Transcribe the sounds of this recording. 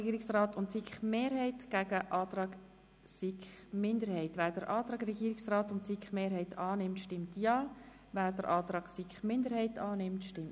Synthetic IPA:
ɡiːɾɪksrɑːtʊntsikχmeːɾhɛɪtɡ̥æɡəʔɑːtrɑːɡ | sikχmɪndəɾhɛɪtʋæːɾdəɾʔɑːt̪ɾɑːɡɾɛɡiːɾɪksrɑːtʊntsikχmeːɾɦɛɪtʰɑːnɪmtʃtɪmtjɑː | væːɾd̥əɾʔɑːt̪ɾɑːɡ̥sikχmɪnd̪əɾhɛɪtɑːnɪmtʃtɪm

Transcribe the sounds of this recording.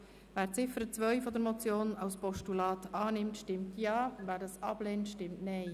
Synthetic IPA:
væːɾt͡sɪfəɾət͡sʋœʏfɔd̪əɾmɔt͡sjoːnɑwspɔʃtulɑːt̪ɑːnɪmtʃtɪmtjɑːvæːɾdɑːsɑb̥lɛntʃtɪmtnɛɪ

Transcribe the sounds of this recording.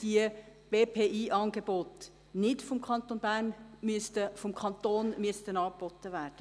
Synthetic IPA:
d̥iəb̥eːpʰeːʔiːʔɑːnɡebot | nɪtfɔmkʰɑnt̪onbæɾnmystəfɔmkʰɑnt̪oːnmyəst̪ənɑːk̚b̥ɔt̪ːəʋæːɾd̥ə

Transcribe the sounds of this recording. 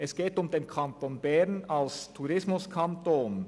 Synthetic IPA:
ʔɛsɡ̥eːtʊmdeːnkʰantoːnbɛnalstʰuʁɪsmʊskʰantoːn

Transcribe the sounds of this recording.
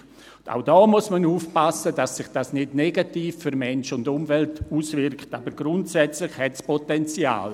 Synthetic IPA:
a̰ʊd̥ɔːmuəsmənuːfpasəd̥asːɪχd̥aːsnɪdnɛɡatiːfːyɾmɛnʃʊndʊmvɛltuːsvɪɾktaːbəɾɡ̥ɾʊntsɛt͡slɪχhɛtspʰɔtɛnt͡sja̰ːl

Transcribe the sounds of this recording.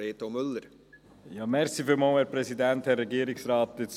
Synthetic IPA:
eːt̪omʏlːəɾ | jɑːmɛɾsifɪlmɑːwhɛːɾpɾɛsidænthɛrːɛɡiəɾɪksɾɑːt̚ɪt͡s

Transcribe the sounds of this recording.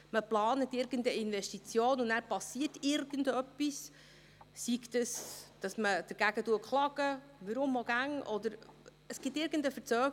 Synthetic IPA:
məplɑːnətɪɾɡəntəinʋɛʃtit͡sjoːnʊnnæːɾpɑsiətɪɾɡəndœpːis | siktəsd̥ɑsməd̥əɾɡ̥æɡ̥ətuəkχlɑɡ̥ə | ʋəɾʊmɔɡ̥æŋʔɔd̪əɾ | əsɡ̥ɪtːɪɾɡəndəfəɾt͡sœːɡ

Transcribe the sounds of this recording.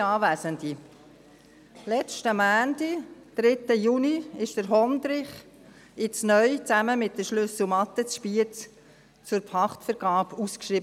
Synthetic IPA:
ɑːʋæːsənd̪i | lɛt͡ʃtəmæːndid̪̥ɾɪt̪əjuniɪʃd̥əɾɦɔnd̪ɾɪχ | ɪt͡snœʏt͡sæməmɪt̚dəʃlʏs̩mɑt̪ət͡sʃpiət͡s | t͡sʊɾpʰɑχtfəɾɡ̥ɑːpuskʃɾib

